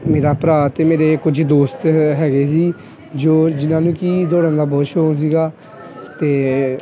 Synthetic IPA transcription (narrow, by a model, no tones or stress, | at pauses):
meːɾaːpɾaːt̪eːmeːɾeːkʊd͡ʒd̪oːst̪ɦɛːɡeːs̬iː | d͡ʒoːd͡ʒɪnãːnũːkiːd̪oːɽə̃nd̪aːbɔːt̪ʃoːns̬iːɡaː | t̪eː